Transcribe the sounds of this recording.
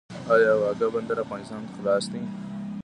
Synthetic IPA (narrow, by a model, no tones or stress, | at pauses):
ajawaːɡabɐnd̪ɐɾafɣaːnɪst̪ɑːnxlaːsd̪i